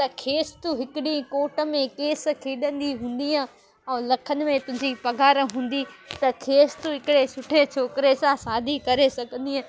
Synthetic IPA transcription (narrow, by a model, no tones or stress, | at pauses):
t̪ɐkʰeːst̪uɦɪkɪɗĩkoːʈə̆mẽkeːs̆kʰeːɗə̃nd̪iɦũːn̆d̪iã | ɛ̃ːlɐkʰənɪ̆mẽt̪ʊ̃ɦɪ̃ɲd͡ʑipɐɡʱaːɾɦũːn̆d̪it̪ɐkʰeːst̪uɦɪkɪɽesʊʈʰet͡ɕʰoːkɪɾesãsaːd̪ʱikɐɾesɐɡʱə̃nd̪iɦã